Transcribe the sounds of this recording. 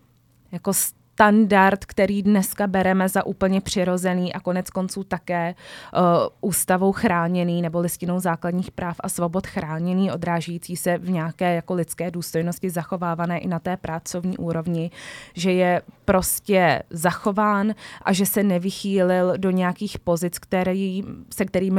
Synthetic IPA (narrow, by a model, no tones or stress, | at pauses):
jako̞s | t̪andaɾt̪kt̪ɛɾiːdnɛskabɛɾɛmɛzaʔuːpl̩ɲɛpr̝̥ɪɾo̞zɛniːʔako̞nɛt͡sko̞nt͡suːt̪akɛː | ʔuːst̪avo̞wxɾaːɲɛniːnɛbo̞lɪscɪno̞wzaːkladɲiːxpɾʔaːfʔa̰svo̞bo̞t̪xɾaːɲɛniːʔo̞dɾaːʒɛjiːt͡siːsɛvɲɛakɛːjako̞lɪtt͡skɛːduːst̪o̞jno̞scɪzaxo̞vaːvanɛːʔɪnat̪ɛːpɾat͡so̞vɲiːʔuːɾo̞vɲɪʒɛjɛpɾo̞scɛzaxo̞vaːnʔa̰ʒɛsɛnɛvɪxiːlɪldo̞ɲɛjakiːxpo̞zɪt͡skt̪ɛɾisɛk̚t̪ɛɾiːm